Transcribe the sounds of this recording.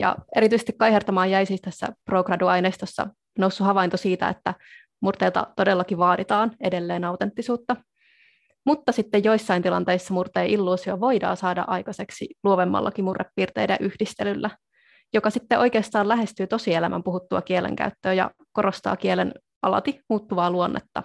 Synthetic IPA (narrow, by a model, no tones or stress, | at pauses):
jɑ̰e̞ɾit̪yisest̪i̥kːɑjɦert̪ɑmɑːjæjsiːst̪æsːæ̰proːkrɑduɑjneːst̪osːɑ̰ | nowsːuhɑʋɑint̪osiːt̪æ̰et̪ːæ | murt̪eːlt̪ɑ̰t̪o̞delːɑkiʋɑːdit̪ɑːne̞de̞lːeːnɑwt̪e̞nt̪ːisuːt̪ːɑ | mut̪ːɑsit̪ːejjo̞isːɑint̪ilɑ̰nt̪e̞isːɑmurt̪eːʔilːuːsioʋo̞jdɑ̰ːsɑːdɑ̰ʔɑjkɑse̞ksiluoʋemːɑ̰lːɑ̰kimurːepːiːrt̪e̞̰jdæʔyhdist̪elylːæ | jokɑsit̪ːeʔo̞jkeːst̪ɑːlæɦe̞st̪yːt̪o̞sielæmʔæ̰mpuɦut̪ːuɑ̰kielḛŋkæ̰yt̪ːøːjɑ̰ | ko̞ɾo̞st̪ɑ̰ːkielḛn | ʔɑlɑ̰t̪imuːt̪ːuʋɑːluo̞nːḛt̪ːɑ̰